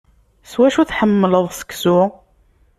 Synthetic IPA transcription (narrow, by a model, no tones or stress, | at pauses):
swæʃuθħəmːələðˤsə̥kːsʊ